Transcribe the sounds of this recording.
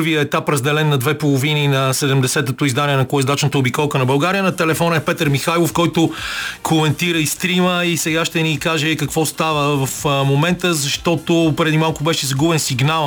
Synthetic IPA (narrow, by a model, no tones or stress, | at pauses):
ɾvijəɛt̪apɾɐzd̪ɛlɛnːɐd̪vɛpolˠovininɐsɛd̪ɛmd̪ɛsɛt̪ət̪oizd̪aniɛnɐkɔɛzd̪at͡ʃnət̪əobikɔlˠkənɐbɐlˠɡaɾijənɐt̪ɛlɛfɔnəɛpɛt̪əɾmixajlˠofkɔjt̪okʰomɛnt̪iɾəist̪ɾiməisɛɡaʃt̪ɛnikaʒɛkɐkvɔst̪avəvɐfmomɛnt̪əzɐʃt̪ɔt̪opɾɛd̪imalˠkobɛʃɛzɐɡubɛnsiɡnalˠ